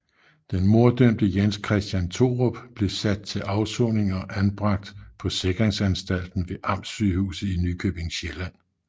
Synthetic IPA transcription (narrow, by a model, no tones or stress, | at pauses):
d̥enmo̝ɐd̥øm̰d̥əjenskʰʁɛsd̥jænt͡sʰo̝̰ʁob̥b̥le̝sæd̥̚t͡sʰe̝lʔɑ̈ʊsɔne̝ŋɒ̽ʔænb̥ʁɑ̈ɡ̥̚d̥pʰɒ̽se̝ɡ̥ɐʁeŋsænsd̥æl̰d̥n̩ʋe̝ʔɑ̈m̰syːhṵːsð̩ˠinykʰøb̥e̝ŋɕelæn̰